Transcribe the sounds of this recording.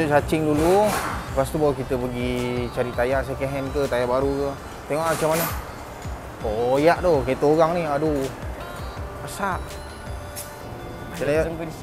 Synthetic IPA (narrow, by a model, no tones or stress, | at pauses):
sat͡ʃɪŋduluəpast̪ubawkit̪əpəɡit͡ʃaɾiʔt̪ajaʔs̬akeɦɛnkət̪ajabaɾukə | t̪eŋɔʔmat͡ʃamanə | kojaʔd̪okat̪oɣaŋnihadu | pasaʔ | ənaja